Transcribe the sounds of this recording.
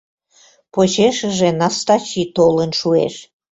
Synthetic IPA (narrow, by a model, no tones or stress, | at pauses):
pot͡ɕeʃəʒenɑst̪ɑt͡ɕit̪olənʃuḛʃ